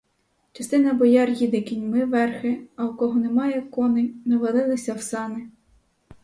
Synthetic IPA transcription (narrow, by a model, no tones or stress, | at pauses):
t͡ʃɐst̪ɪnɐbɔjɑrʲjid̪ɪkʲinʲmɪʋɛrxɪɐukɔɦɔnemɑjɛkɔnɪnɐʋɐlˠɪlˠɪsʲɐwsɑnɪ